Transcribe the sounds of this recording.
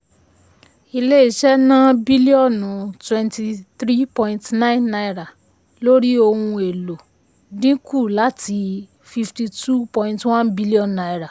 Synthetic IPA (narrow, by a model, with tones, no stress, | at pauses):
i˧le˦i˦˨ʃɛ˦nã˦bi˦li˦ɔ˦˨nũ˨twɛ̃˨˧nti˧θɾi˦pɔ̃˧ĩ˧ntnã˦ĩ˦nːa˧i˧ɾa˨ | lo˦ɾi˦o˧hũ˧e˨lo˨ | dĩ˦ku˦˨la˨˦tʰi˧˦ | fi˧fti˧tu˦pɔ̃˧ĩ˧ntwã˦nbi˦li˦ɔ̃˨nːa˨˧i˧ɾa˨